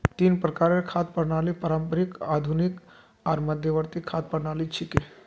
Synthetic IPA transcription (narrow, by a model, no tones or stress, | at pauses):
t̪iːnpɾəkaɾekʰat̪̚pəɽɳalipəɾampəɾikad̪ʱunik | aɾməd̪ʱjəʋəɾt̪ikʰat̪̚pəɽɳaliːt͡ʃʰike